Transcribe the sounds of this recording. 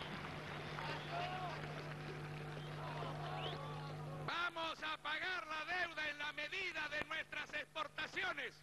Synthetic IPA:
bamosapaɣaɾlaðewðaenlameðiðaðenwest̪ɾasespo̞ɾt̪asjo̞nes

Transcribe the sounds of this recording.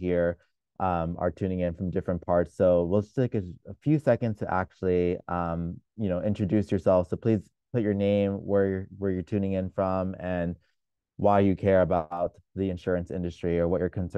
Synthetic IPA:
hiɹ | ʔʌ̃mə̰˞tʰʉ̃ñɪ̃ŋɪ̃nfɹʌ̃mdɪfɹɨ̃npʰɑɹtsːoʊwilˠd͡ʒʌstʰeɪkɨəfjʉsɛkɨ̃ndz̥tʰɨʔæ̰k̚t͡ʃʉl̩ˠiʌ̃mjɨnoʊʔɪ̃nt͡ʃɹ̥ɨdʉsjə˞sɛlˠfsoʊpʰl̥iz̥ | pʰʊt͡ʃə˞nẽɪ̃mwə˞jwə˞jə˞tʰʉ̃ñɪ̃ŋɪ̃nfɹʌ̃mɨ̃n | waɪjɨkʰɛɹɨbaʊt̪̚ | ðiɨ̃nʃʊɹɨ̃nsɪ̰̃ndɨstɹ̥iə˞wʌt͡ʃə˞kʰɨ̃n̩sɜ̃

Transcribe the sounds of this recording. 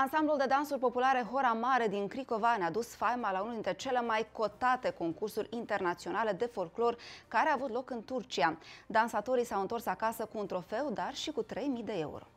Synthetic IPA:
ansambluld̪e̞d̪ansurʲpo̞pulaɾe̞ɦo̞ɾamaɾe̞d̪inkɾiko̞vanad̪usfajmalaunuld̪int̪ɾe̞t͡ʃe̞le̞majko̞t̪at̪e̞ko̞ŋkursuɾʲint̪e̞rnat̪sio̞nale̞d̪e̞fo̞lklo̞rkaɾeaːvut̪lo̞kɨnt̪urt͡ʃiad̪ansat̪o̞ɾisawɨnt̪o̞rsakasəkuːnt̪ɾo̞fe̞wd̪arʃikut̪ɾe̞jmijd̪e̞e̞̰ṵɾo̞̰

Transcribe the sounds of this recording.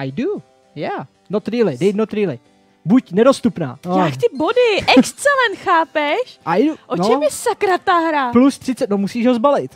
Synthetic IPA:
ʔajdu | ja | not̪ɾiːlɪdɛjt̪not̪ɾiːlɪ | bucnɛdo̞st̪upna̰ːojakt̪ɪbodɪʔɛkst̪t͡sɛlɛnt̪xaːpɛʃʔauʔonot͡ʃɛmjɛsakɾat̪aɾaplust̪r̥ɪt͡sɛt̪̚nomusiːʒɦozbalɪt̪

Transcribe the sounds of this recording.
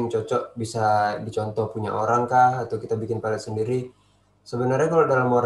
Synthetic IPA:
ŋt͡ʃɔt͡ʃɔʔbisadit͡ʃɔnt̪ɔhpuɲa̰ʔoɾaŋkahat̪awkit̪abikɪnpalasəndiɾi | səbənarɲakalawdalamoɾ

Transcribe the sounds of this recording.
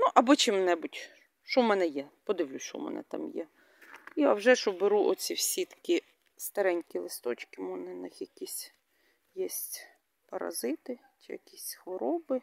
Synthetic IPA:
nuʔɐbɔt͡ʃɪmnɛbʊtʲ | ʃɔmɛnɛjɛpɔd̪ɪʋlʲusʃɔ̰mɛ̰nɛ̰t̪ɑ̰mjɛ̰ | ija̰wʒɛʃɔbɪɾuʔɔsʲiwsʲit̪ɐ̥kʲi | st̪ɐɾɛnʲkʲilˠɪst̪ɔt͡ʃkɪmɔnɛnɪxjɐkʲisʲ | jɛsʲtʲ | pɐɾɐ̰zɪt̪ɪ | t͡ʃɪjɐ̰kʲisʲxʋɔɾɔbɪ

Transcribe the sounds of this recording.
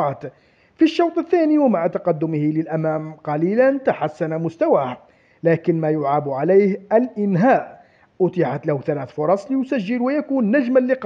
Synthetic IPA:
ɑt̪ | fiʃːɑwt̪ˤəθːæniwəmaʕt̪ɑqɑd̪ːʊməhiləlʔæmæmqɑlilænt̪aħasːanamʊst̪awæh | lækənmæjʊʕabʕalæjhʔəlʔənɦæːʔ | ʔʊt̪ɪʕat̪lahθælæθfʊɾˤɑsˤləjʊsæʒːəlwəjækunːæʒməlːiq

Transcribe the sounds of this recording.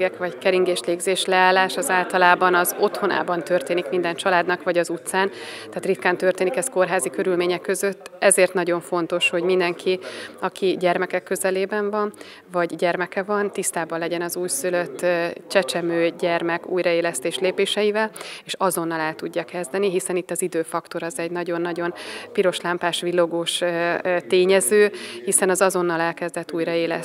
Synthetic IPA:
ɛkʋɒckɛɾiŋɡeːʃleːɡzeːʃlɛaːlːaːʃɒzaːlt̪ɒlaːbɒnɒzo̞t̪ho̞nʔa̰ːbɒnt̪ø̞rt̪eːnikmind̪ɛnt͡ʃɒlaːd̪nɒkʋɒɟɒzut̪saːnt̪ɛːt̪rit̪kaːnt̪ørt̪eːnikɛsko̞rɦaːzikø̞ɾylmeːɲɛkːø̞zø̞t̪ːɛzeːrt̪nɒɟo̞ɱfo̞n̪t̪o̞ʃho̞ɟmind̪ɛŋkʰiɒkʰiɟɛrmɛkɛkːø̞zɛleːbɛɱvɒn | vɒɟɟɛrmɛkɛvɒnt̪ist̪aːbɒnlːɛɟɛnɒzuːjsyløt̪ːt͡ʃɛt͡ʃɛmøːɟɛrmɛkṵːjɾɒeːlɛst̪eːʃleːpeːʃɛjivɛleːʃɒzo̞nːɒlɛlt̪uɟːɒkɛzd̪ɛniɦisɛnit̪ːɒzid̪øːfɒkt̪o̞ɾɒzɛɟnɒɟo̞nːɒɟo̞npiɾo̞ʃlaːmpaːʃʋilːoɡoːʃt̪eːɲɛzøːhisɛnɒzɒzo̞n̪ːɒlɛlkɛzd̪ɛt̪ːuːjɾɒeːlɛ̰s

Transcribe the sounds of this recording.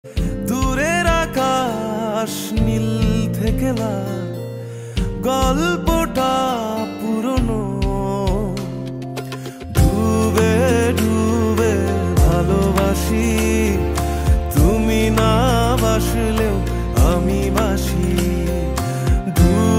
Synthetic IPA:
d̪uɾeɾakʰa | ʃnilt̪ʰekela | ɡɔlpoʈapuɾono | ɖʱubeɖʱubebʱalobaʃi | t̪uminabaʃileo | amibaʃi | ɖʱu

